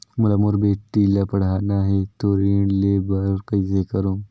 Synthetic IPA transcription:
mulamoɾbeːʈːilapɐɽanaɦet̪oɾiɳlebaɾɾkəisekəɾõː

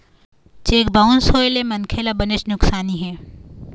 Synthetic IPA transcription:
t͡ʃeːkbaʊnsoːelemɐnkʰeːlabənet͡ʃnʊksaːniɦɛː

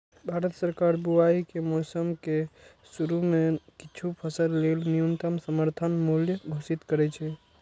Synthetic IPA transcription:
bʱaɾət̪səɾkaɾbuaikemɔːsəmke | suɾumekɪt͡ʃʰupʰəsəllelnijunt̪əmsəməɾt̪ʰənmuljəɡʱosit̪kəɾɛt͡ʃʰɛ

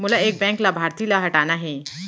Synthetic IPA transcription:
mulaek̚bɛ̃ŋklabʱaɾt̪iːlaɦəʈanaɦẽ

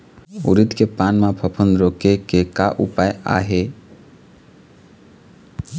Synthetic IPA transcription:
ʊ̰ɾit̪kepaːnmãpʰəpʰə̃nd̪ɾoːkekekaʔṵpaːja̰ːɦe

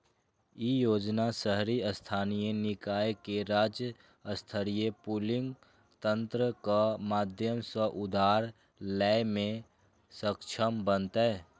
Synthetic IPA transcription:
ijoːd͡ʒnasəɦɾiəst̪ʰaːnijenɪkaːjekeɾaːd͡ʒjə | əst̪ʰəɾijepuːlɪ̃ŋɡ | t̪ə̃nt̪ɾəkamaːd̪ʱjəmsəʔʊd̪ʱaːɾ | lɛːjmẽ | səkt͡ʃʰəmbənt̪ɦɛː

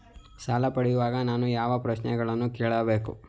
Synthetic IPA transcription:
saːlɐpɐɽijuʋaːɡɐnaːnujaːʋɐpɾɐʃnɛ̰ɡɐɭɐnːukɛːɭɐbeːku

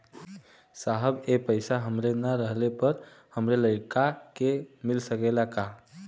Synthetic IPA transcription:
saɦəbepəɪsaɦəmɾenaɾəɦlepəɾhəmɾeləɪkakemilsəkelaka

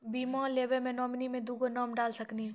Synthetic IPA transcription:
biːmãːleːʋemẽnɔːmnimẽd̪uːɡonɔːmɖaːlsɐkni

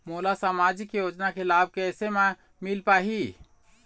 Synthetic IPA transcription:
molasamad͡ʒikjod͡ʒnakʰelab̚ʱkeɛsemẽ | milpaɦi

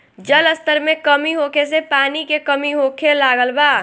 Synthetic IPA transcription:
d͡ʒələst̪əɾmẽkəmiɦokʰes̬epaːnikekəmiɦokʰelaɡəlbaː

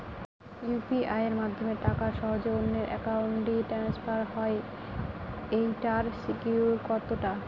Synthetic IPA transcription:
jupiʔajeɾmad̪ʱːomeʈakaʃɔɦod͡ʑonːeɾʔɛ̰kawuɳʈɖiʈɛnspaɾɦɔe | ejʈaɾsikuɾkɔɾt̪oʈa

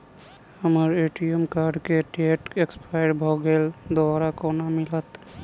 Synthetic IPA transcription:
həməɾeːʈiəmkaːɾɖkeʈeʈekspaɪɖbʱoɡeːld̪ɔaːɾakonamɪlət̪

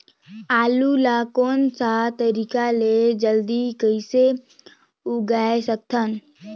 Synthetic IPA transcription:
aːlulaːkoːnsat̪əɾiːkaled͡ʒəld̪ikəise | uɡaːesək̚t̪ʰən

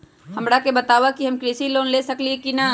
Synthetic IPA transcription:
hɐmɽakebɐt̪aːʋakiɦɐmkɾisiloːnleːsɐkliekina

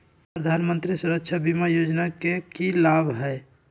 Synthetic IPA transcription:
pɾəd̪ʱaːnmə̃nt̪ɾisuɾəkt͡ʃʰabimajod͡ʒnakekilabʱɦɛ

